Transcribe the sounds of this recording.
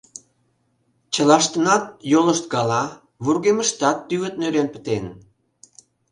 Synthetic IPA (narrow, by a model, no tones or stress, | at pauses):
t͡ɕə̆lɑʃt̪ənɑt̪̚joləʃt̪̚ɡɑlɑ | βurɣeməʃt̪ɑt̪ːyɣə̆t̪̚nøɾenpə̥̆t̪en